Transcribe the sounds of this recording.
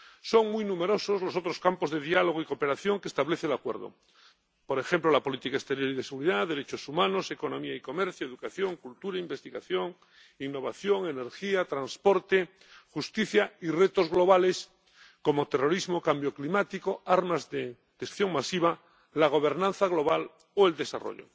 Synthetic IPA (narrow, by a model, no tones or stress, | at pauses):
so̞ŋmujnũme̞ɾo̞sozlosot̪ɾoskampo̞zðe̞ðialoɣ̞oikope̞ɾaθjo̞ŋkest̪aβleθelakweɾðo̰ | po̞ɾe̞xemplolapo̞lit̪ikaest̪e̞ɾjo̞ɾiðeseɣuɾiðaðeɾe̞t͡ʃo̞sumãno̞se̞ko̞nõ̞miaiko̞meɾθjoeðukaθjoŋkult̪uɾaimbe̞st̪iɣa̰θjoŋ | inːo̞β̞aθjo̞ŋe̞ne̞ɾxiat̪ɾanspo̞ɾt̪e | xust̪iθjairet̪o̞zɣlo̞β̞ale̞s | ko̞mot̪e̞ro̞ɾizmokambjoklimat̪ikoaɾmazðe | d̪̥esθjo̞ŋmasiβa | laɣ̞oβ̞e̞ɾnãnθaɣlo̞βal | oeld̪e̞sa̰ro̰ʎo̰